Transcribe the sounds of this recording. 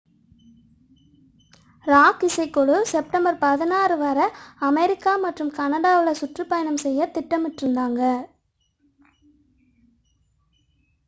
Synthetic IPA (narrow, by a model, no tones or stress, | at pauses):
ɾaːkɪsɐɪkːɔɭɯsɛp̚ʈɐmbɐɾpɐðɪnaːɾɯʋɐɾɐɐmɛɾɪkːaːmɐʈrɯmkɐnɐɽaːʋɪɭɐsʊʈrɯpːɐjɐnɐmsɛjːɐt̪ːɪʈːɐmɪʈɾɯnd̪aːŋɡɐ